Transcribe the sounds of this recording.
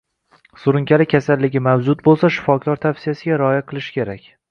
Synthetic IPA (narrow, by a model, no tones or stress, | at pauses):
sʊɾɪŋkʲalɪkʲʰasalːɪɡʲɪmawd͡ʒʊt̪̚bolˠsaʃɪ̥fɒkʰʲlˠɒɾt̪ʰafsɪjasɪɡʲaɾɒɒjaqʰɨlˠɪʃɪ̥kʲe̞ɾakʲ